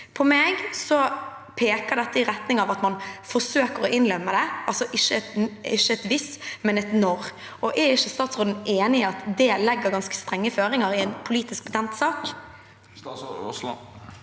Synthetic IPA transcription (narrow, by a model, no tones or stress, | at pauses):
pʰɔmeːɡsɔ | pʰeːkəʁd̪ɛt̪ːəɪɾɛt̪nɪŋɑʋɑt̪mɑnfɔsøːkəɾɔʔɪnlœmːəd̪ɛʔɑlsɔʔɪʃːəɛt̪ɪʃːəɛt̪ʋɪsmɛnɛt̪nɔɾ | ɔʔæɾɪʃːəst̪ɑːt̪sʁoːd̪n̩ʔeːnɪɑt̪d̪ɛlɛɡːəɾɡɑnskə̥st̪ɾɛŋːəføːɾɪŋəɾɪɛnpʰʊliːt̪ɪsk̚bət̪ʰɛnt̪sɑːk